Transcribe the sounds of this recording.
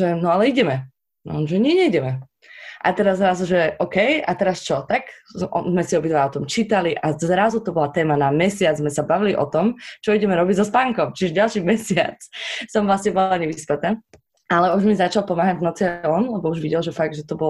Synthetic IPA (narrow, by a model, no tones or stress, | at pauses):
ʒɛnɔalɛiɟɛmɛ | nʒɛɲɛɲɛiɟɛmɛ | ʔa̰t̪ɛɾazːɾazuʒɛʔɔkɛjat̪ɛɾast͡ʃɔt̪akzɔ̰zmɛsiɔbit̪ʋaliɔt̪ɔmt͡ʃiːt̪aliʔazɾazut̪ɔbɔlat̪ɛːmanamɛsɪad͡zzmɛsabaʋiliʔɔt̪ɔmt͡ʃɔiɟɛmɛɾɔbiɟzɔspaŋkɔmt͡ʃiʒɛɟalʃimɛsɪa̰t͡ssɔmʋlasɲɛbɔlaɲɛʋispɛt̪aː | alɛuʒmizat͡ʃalˠpɔmaːɦaɟvnɔt͡siaɔnlɛbɔuʒʋiɟɛlʒɛfaɡ̚d̪ʒɛt̪ɔbɔ